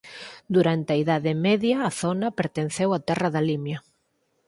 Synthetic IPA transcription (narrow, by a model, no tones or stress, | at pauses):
d̪uɾant̪ɪɐiðaðɪmɛðjɐːθonɐpeɾt̪en̟θewat̪ɛrɐðalimjɐ